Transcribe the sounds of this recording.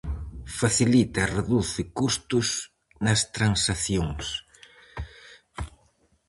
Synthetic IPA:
faθilit̪ɐreðuθɪkust̪ʊs | nɐst̪ɾansaθjoŋs

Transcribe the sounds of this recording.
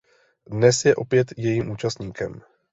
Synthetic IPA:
dnɛsjɛʔo̞pjɛt̪jɛjiːmʔuːt͡ʃast̪ɲiːkɛm

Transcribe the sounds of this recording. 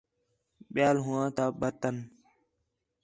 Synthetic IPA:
ɓɪjaːlɦʊãːt̪aːɓət̪ən

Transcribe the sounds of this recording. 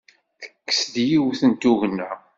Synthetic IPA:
θə̥kːə̥sd̪jiwθənt̪uʝnːæ

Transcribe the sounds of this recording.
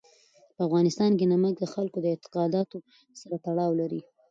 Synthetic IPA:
pəafɣɑnɪst̪ɑnkenamək̚d̪əxalkod̪əɪt̪ɪ̥qɑd̪ɑt̪o | saɾat̪aɽɑwlaɾi

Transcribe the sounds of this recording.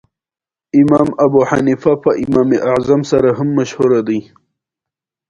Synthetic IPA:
ɪmaːmɐbuħanifapɐʔɪmaːmeʔaʕzamsaɾaɦamːaʃhuɾad̪i

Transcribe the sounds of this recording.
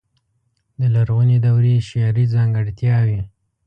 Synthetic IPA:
d̪əlaɾɣuned̪awɾeʃjɑɾizɑŋɡəɽt̪jɑwi

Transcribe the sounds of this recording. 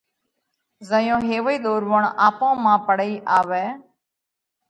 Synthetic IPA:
zəjõːɦeːʋəiːɗ̪oːɾʋəɳaːpõːmãːpəɽiːʔaːʋɛː

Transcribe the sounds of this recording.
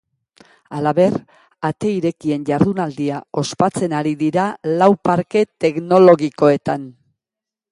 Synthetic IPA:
alaβe̞r | at̪e̞iɾe̞kie̞nʝaɾðunald̪iao̞spat͡se̞naɾiðiɾalawpaɾke̞t̪e̞kno̞lo̞ɣiko̞e̞t̪an

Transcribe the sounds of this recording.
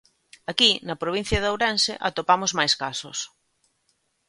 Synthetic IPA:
akinɐpɾoβin̟θjɐðawɾɛnsḛʔat̪opamozmajskasʊ̰s

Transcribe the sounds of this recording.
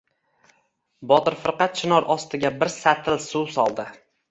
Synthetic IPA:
bɒt̪ɪɾfɪɾqɑt̪̚t͡ʃʰɪnɒɾʔɒst̪ɪɡʲabɪɾsat̪ʰɪlsusɒlˠd̪ɪ

